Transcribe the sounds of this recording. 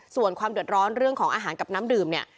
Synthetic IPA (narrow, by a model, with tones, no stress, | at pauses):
su˨˩ənkʰwaː˧mdu˨˩ə˩t̪̚ɾɔː˦˥nɾɯ˥˩əŋkʰɔː˩˦ŋʔaː˧ɦaː˩˦nka˨˩p̚naː˦˥mdɯː˨˩mni˦˥˩ə